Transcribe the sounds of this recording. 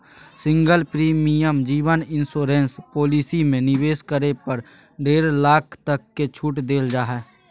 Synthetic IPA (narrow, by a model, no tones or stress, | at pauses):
sɪ̃ŋɡəlpɾiːmijəmd͡ʒiːʋənɪ̃nsoːɾẽːnspoːliːsimẽnɪʋeːskəɾepəɾ | ɖeːɾlaːkʰt̪əkːet͡ʃʰuʈd̪eːld͡ʒaːɦɛː